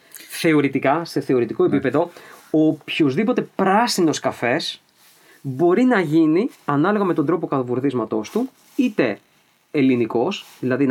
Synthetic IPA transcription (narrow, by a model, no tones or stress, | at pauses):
θe̞o̞ɾit̪ikɐse̞θe̞o̞ɾit̪iko̞epipe̞ðo̞opçozðipo̞t̪e̞pɾɐsino̞skɐfe̞s | bo̞ɾinɐʝiniɐnɐloɣɐme̞t̪o̞nd̪ɾo̞po̞kɐt̪ɐvuɾθizmɐt̪o̞st̪u | it̪e̞ː | liniko̞sðilɐðin